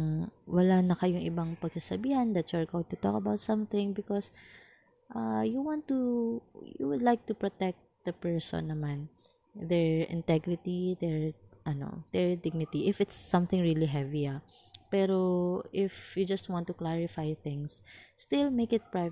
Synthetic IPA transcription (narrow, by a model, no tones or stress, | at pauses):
wɐlanɐkɐjʊŋʔɪbaŋpɐɡsasɐbiːhɐnd̪ɐt̪sɔɹɡowɪ̃ɡt̪ʊt̪ɔkɐbawt̪̚sɐ̃mθɪ̃ŋbɪkɔs | ʔajuwãnt̪ːujṵwʊd̪lajk̚t̪ʊpɹot̪ɛk̚t̪̚d̪̥ɐpɛɹsɔ̰̃nːɐman | d̪ɛɹɪ̰̃nt̪ɛɡɾɪt̪id̪ɛɹʔɐno̰d̪̥ɛɹd̪ɪɡ̚nɪt̪iʔɪfɪt̪sːɐ̃mθɪ̃ŋɹiliɦɛvia | pɛɾo̞ʔɪfjud͡ʒɐst̪̚wãnt̪ʊklaɹɪfajθɪ̃ŋsːt̪ɪlmejkɪt̪̚pɹa